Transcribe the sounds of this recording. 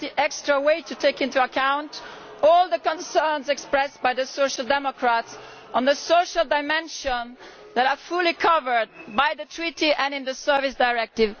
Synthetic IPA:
iʔɛkstɹ̥əweɪtʰɨtʰeɪkɪ̃ntuəkʰãʊ̃nt | ɔlˠðəkə̃nsɜ̃˞nzɛkspɹɛsb̥aɪðəsoʊʃəl̩ˠdɛmɔkʰɹats | ə̃n̩ðəsoʊʃəlˠdaɪmɛ̃nʃə̃n | ðæɾə˞fulˠikʰʌvə˞d̚bajðɨtʰɹ̥iɾiʔɨ̃nɨ̃nðəsɜ˞vɪsdaɪɹɛk̚tɪv

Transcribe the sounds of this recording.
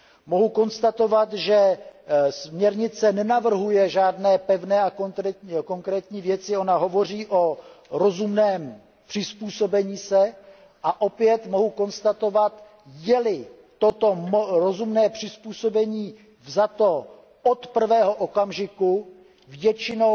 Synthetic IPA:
mo̞ɦuko̞nst̪at̪o̞vat̪ʒɛ | smɲɛɾɲɪt͡sɛnɛnavr̩ɦujɛʒaːdnɛːpɛvnɛːakko̞ŋkɾɛːt̪ɲiːvjɛt͡sɪo̞naɦo̞vo̞r̝iːʔo̞ɾo̞zumnɛːm | pr̥ɪspuːso̞bɛɲiːsɛ | ʔaʔo̞pjɛt̪moɦuko̞nst̪at̪o̞vat̪ | jɛlɪ | t̪ot̪o̞mɾozumnɛːpr̝̥ɪspuːso̞bɛɲiː | vzat̪o̞ | ʔot̪pr̩vɛːɦo̞ʔokamʒɪku | vjɛt͡ʃɪno

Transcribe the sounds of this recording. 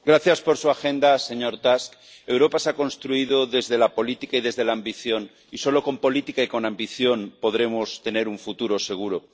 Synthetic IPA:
ɡɾaθjaspo̞ɾsuaxe̞nd̪ase̞ɲo̞ɾt̪ask | e̞wɾo̞paseako̞nst̪ɾuiðo̞ðe̞zðe̞lapo̞lit̪ikaiðe̞zðe̞laːmbiθjo̞n | iso̞loko̞mpo̞lit̪ikaiko̞nambiθjo̞npo̞ðɾe̞most̪e̞ne̞ɾuɱfut̪uɾo̞se̞ɣ̞uɾo̞

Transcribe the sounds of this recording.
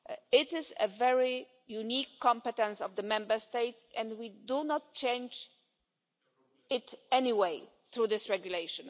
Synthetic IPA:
ɪtɪzə̰vɛɹi | junikʰːɔ̃mpɛt̪ɛ̃nsɔvðəmɛ̃mbə˞st̪eɪtsɛ̃ndwidunɔt̚t͡ʃẽɪ̃nd͡ʒ | ɪtɛniweɪ | θɹuðɪsɹɛɡjuleɪʃɨ̃n

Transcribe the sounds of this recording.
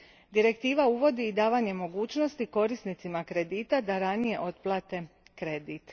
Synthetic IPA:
d̪iɾe̞kt̪iːʋauʋo̞d̪iːd̪aːʋaːɲe̞mo̞ɡuːt͡ʃno̞st̪iko̞ɾisnit̪simakɾe̞d̪iːt̪ad̪aɾanije̞ʔo̞t̪plˠaːt̪e̞kɾe̞d̪it̪

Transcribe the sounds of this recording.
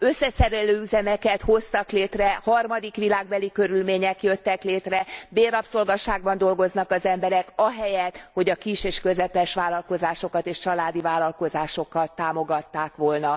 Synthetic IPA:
øsːɛsɛɾɛløːyzɛmɛkɛt̪ho̞st̪ɒkleːt̪rɛhɒrmɒd̪ikʋilaːɡ̚bɛlikø̞ɾylmeːɲɛkjø̞t̪ːɛkleːt̪rɛbeːɾɒpso̞lɡɒʃaːɡbɒnd̪o̞lɡo̞znɒkɒzɛmbɛɾɛkɒɦɛjɛt̪ho̞ɟɒkiʃeːʃkø̞zɛpɛʃʋaːlɒlko̞zaːʃo̞kɒt̪eːʃt͡ʃɒlaːd̪ivaːlːɒlko̞zaːʃo̞kːɒt̪ːaːmoɡɒt̪ːaːkʋolnɒ

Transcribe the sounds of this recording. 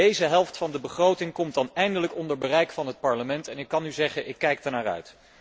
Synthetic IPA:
dejzəɦɛlˠftfɑndəbəχrowtɪŋkɔmtɑnɛjndələkɔndəɹbərɛjkfɑnɦət̚pɑɹləmɛntɛnɪkːɑnyzɛχənʔɪkːɛjk̚daɹnaːrœ̰ɥt

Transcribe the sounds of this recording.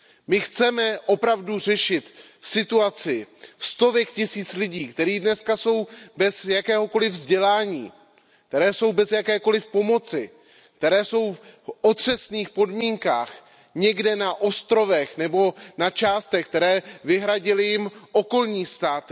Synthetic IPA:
mɪxt͡sɛmɛʔo̞pɾavdur̝ɛʃɪt̪ | sɪt̪uat͡sɪst̪o̞vɛkcɪsiːt͡slɪɟiːkt̪ɛɾiːdnɛskaso̞wbɛzjakɛːɦo̞ko̞lɪvzɟɛlaːɲiː | k̚t̪ɛɾɛːso̞wbɛzjakɛːko̞lɪfpo̞mo̞t͡sɪ | k̚t̪ɛɾɛːso̞wfʔo̞t̪r̝̥ɛsniːxpo̞dmiːŋka̰ːx | ɲɛɡdɛnaʔo̞st̪ɾo̞vɛxnɛbo̞nat͡ʃaːst̪ɛxk̚t̪ɛɾɛːvɪɦɾaɟɪlɪjɪmʔo̞ko̞lɲiːst̪aːt̪

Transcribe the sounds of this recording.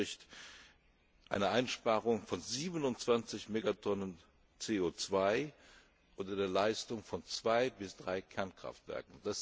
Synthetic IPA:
ɪçt | ʔa̰ɪnəʔaɪnʃpaːʁʊŋfɔnziːbənʊntt͡sv̥ant͡sɪçmeːɡatʰɔnən | t͡seːoːt͡sv̥aɪ | ʔʊntɐdeːɐlaɪstʊŋfɔnt͡sv̥aɪbɪsd̥ʁaɪkʰɛɐnkʁ̥a̰ftv̥ɛ̰ɐkŋ̩d̥as

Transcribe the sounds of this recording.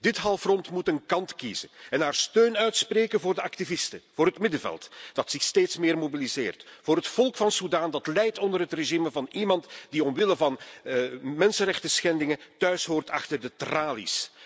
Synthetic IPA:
d̥ɪtɦɑlˠfrɔntmutənkɑntkiz̥əɛnɦaːrstøːnœɥtspreːkənvʊːrdəɑktivɪstəv̥oːɾɦətmɪdəvɛ̰lˠtd̥ɑtsɪxsteːtsmɪːrmobilizɪ̰ːrtfʊːɾɦətfɔlˠkfɑnsudaːndɑtlɛjtɔndərɦətreʒiməvɑnimɑntd̥iɔmʋɪləvɑn | mɛnsənrɛxtəsxɛndɪŋətœɥsɦoːrtɑ̰xtərdətraːlḭs

